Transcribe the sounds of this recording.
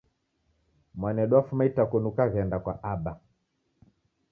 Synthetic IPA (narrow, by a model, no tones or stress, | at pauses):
mwanɛɗwafumaitakɔnukaɣɛndakwaʔaɓa